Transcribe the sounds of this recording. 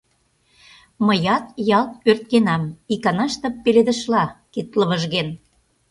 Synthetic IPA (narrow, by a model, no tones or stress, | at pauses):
məjɑt̪jɑlt̪̚ørt̪̚kenɑmikɑnɑʃt̪ɤ̆pːeled̪ə̆ʃlɑket̪ləβəʒɣen